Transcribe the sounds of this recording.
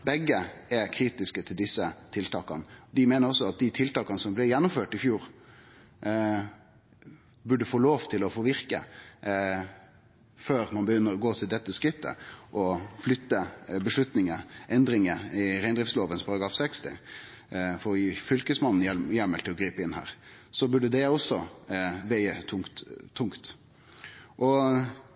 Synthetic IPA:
bɛɡːəɛkʰɾiːt̪ɪskət̪ʰɪld̪ɪsːət̪ʰɪlt̪ʰɑːkɑnəd̪ɪmeːnəɾɔsːɔɑt̪̚d̪ɪt̪ʰɪlt̪ɑːkɑnəsɔmblɪjɛnːʊmføːʈɪfjuːɾ | bʉɖːəfoːloːʋt̪ʰɪlɔfoːʋɪɾkə̰ | føːɾmɑnbəjʏnːəɾɔɡoːt̪ʰɪld̪ɛt̪ːəskɾɪt̪ːə̰ʔɔflʏt̪ːəbəʂlʉt̪nɪŋəʔɛnd̪ɾɪŋəɪɾæɪnd̪ɾɪfsloːʋənspʰɑɾɑɡɾɑːfsɛkst̪ɪ̰ | fɔɾjiːfʏlkəsmɑnːn̩jɛmːəlt̪ʰɪlɔɡɾiːpəɪnhæ̰ːɾsɔbʉɖəd̪ɛɔsɔʋæɪət̪ʰʊt̪t̪ʰːʊŋkt̪ | ʔɔ

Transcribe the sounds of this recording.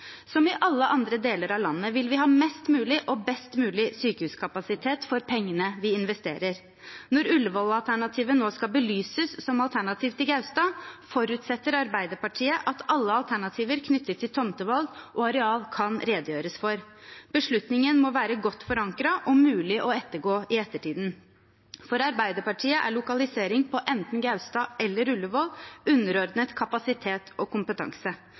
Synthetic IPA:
sɔmɪʔɑlːəʔɑnd̪ɾəd̪eːləɾɑʋlɑnːəʋɪlʋɪɦɑːmɛst̪mʉːlɪʔɔbɛst̪mʉːlɪsyːkəhʉːskʰɑpɑsɪt̪ʰeːt̪fɔɾpʰɛŋːənəʋɪɪnʋɛst̪ḛːɾəɾ | nɔɾʉlːʋɔlɑlt̪ʰæɳɑt̪ʰiːʋənoːskɑbəlyːsəsːɔmɑlt̪ʰæɳɑt̪ʰiːʋt̪ɪlɡɑʉst̪ɑːfɔɾʉt̪sɛt̪ːəɾɑɾbæɪd̪əɾpɑʈʰiːəʔɑt̪ʰɑlːəɑlt̪ʰæɳɑt̪ʰiːʋəɾkʰnʏt̪ʰːət̪ʰːɪlt̪ʰɔmt̪əʋɑlɡʔɔɑɾɛɑːlkʰɑnɾeːd̪əjøːɾəsfɔɾb̥əʂɭʉt̪nɪŋənmɔʋæːɾəɡɔt̪ːfɔɾɑŋkɾɑʔɔmʉːlɪʔɔɛt̪ːəɾɡoːɪɛt̪ːəʈʰiːd̪n | fɔɾɑɾbæɪd̪əɾpɑʈʰiːəʔæ̰ɭʊkɑlɪseːɾɪŋpʰɔʔɛnt̪n̩ɡɑʉst̪ɑːʔɛlːəɾʉlːəʋɔlʉnːəɾɔɾd̪nət̪kʰɑpɑsɪt̪ʰeːt̪ɔkʊmpət̪ʰɑ̰ŋsə

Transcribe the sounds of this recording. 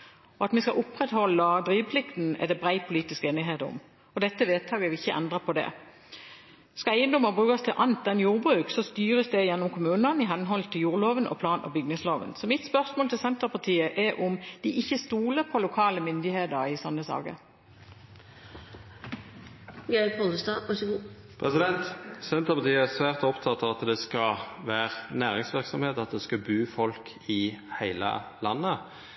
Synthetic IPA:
ɔɑt̪mɛskɑʔʊpʁɛt̪hɔlːəd̪ɾiːʋpʰlɪkt̪n̩ɛ̰d̪ɛbʁæɪpʰʊliːt̪ɪskeːnɪɦeːt̪ʊ̰m | ɔd̪ɛt̪ːəʋeːt̪ʰɑːɡəʋlɪçəʔɛ̰nd̪ʁəpʰɔd̪ɛ̰ | skɑæɪənd̪ɔməbʁʉːɑst̪ʰɪlʔɑnt̪̚d̪ɛnjuːʁbʁʉːksɔst̪yːʁəsd̪ɛjɛnːɔmkʰʊmʉːnənɪɦɑnɦɔlt̪ʰɪljuːʁloːʋənɔ̰pʰlɑːnʔɑ̰bʏɡ̚nɪŋsloːʋə̰nsɔmɪt̪spœʁsmoːlt̪ʰɪlsɛnt̪əʁpʰɑt̪ʰiːəʔɛɾʔʊmd̪̥ɪʔɪçːəst̪uːləpʰɔlʊkʰɑːləmʏnd̪ɪheːd̪əʁɪsɔnːəsɑ̰ːɡə̰ɾ | ɡæɔləst̪ɑːʋɑʂəɡuː | pʰʁɛsɪd̪ɛnt̪sɛnt̪əʁpɑʁt̪ʰiːəæsʋæːʁt̪ɔɔpt̪ʰɑt̪ːɑʋɑt̪d̪ɛskɑʋæːʁnæːʁɪŋsʋɪʁksɔmheːt̪ɑt̪d̪ɛskɑbʉːfɔlkʰɪhæɪlə̰lɑnːə

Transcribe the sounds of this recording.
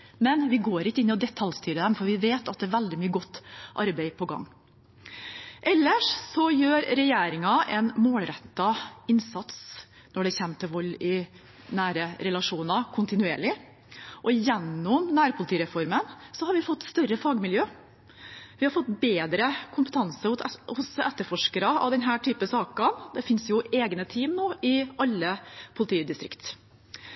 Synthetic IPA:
mɛnʋɪɡoːɾɪkːəɪnːɪɔd̪ɛt̪ʰːɑlst̪yːɾəd̪ɛmfɔɾʋɪʋeːt̪ɑt̪̚d̪ɛːʋæld̪ɪmyːəɡɔt̪ːʔɑɾbæɪpʰɔɡɑ̰ŋː | ʔɛlːəʂsɔjøːɾɾɛjeːɾɪŋɑʔɛnmoːlɾɛt̪ːɑɪnsɑt̪s | nɔɖɛçɛmt̪ʰɪʋɔlːɪ | næːɾəɾɛlɑʂuːnɑkʰʊnt̪ɪnʉeːɭɪ | ʔɔjɛnːɔmnæːɾpʰʊlɪt̪ʰiːɾɛfɔɾmənsɔhɑɾʋɪfɔt̪ːst̪œɾəfɑːɡmɪljøː | ʋɪhɑɾfɔt̪ːbeːd̪ɾəkʰʊmpət̪ʰɑnsəʊhʊsɛt̪ːəɾfɔʂkəɾɑɑ̰ʋd̪ɛnɦæːʈʰyːpəsɑːkɑnd̪ɛfɪnsjʊeːɡnət̪ʰiːmnoːɪʔɑlːəpʰʊlɪt̪iːd̪ɪst̪ɾɪ̰kt̪

